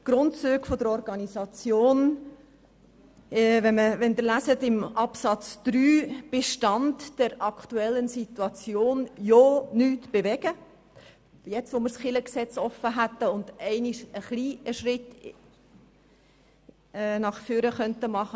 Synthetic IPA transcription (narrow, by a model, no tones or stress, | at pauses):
ɡ̥ɾʊntt͡syːɡfod̥̪əɾɔɾɡɑnizɑt͡sjoːn | ʋɛnməʋɛnd̪əɾlæsətɪmɑpsɑt͡sd̪̥ɾyːb̥eʃtɑntd̥ɛɾɑkʰtuɛlːənsit̪uɑt͡sjoːnjonyːtb̥eʋɛɡə | jɛt͡sʋomɪɾsχɪləksɛt͡sɔfəɦæt̪ːəʊnd̥̪ɛɪniʃəχliːəʃɾɪt | nɑχfyːɾəχœntəmɑχə